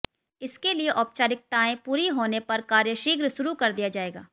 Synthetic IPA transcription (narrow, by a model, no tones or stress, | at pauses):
ɪskelieʔɔːp̚t͡ʃaːɾɪk̚t̪aːẽpuːɾiɦoːnepɐɾkaːɾjəʃiːɡɾʃʊɾukɐɾd̪ijad͡ʒaːeːɡa̰ː